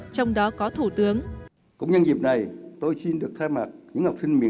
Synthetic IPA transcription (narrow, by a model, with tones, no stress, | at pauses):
t͡ɕɔ˧wŋ͡mɗɔ˨˦kɔ˨˦t̪ʰu˧˩t̪ɨ˨˦əŋ | kʊ̰˧˥ŋ͡mɲə˧nzi˨˩p̚na˨˩jt̪o˧jsi˧nɗɨ˨˩ək̚t̪ʰaː˧jmaː˨˩t̚ɲɨ̰˧˥ŋha˨˩wk͡p̚sï˧ŋmḭ˨ə˦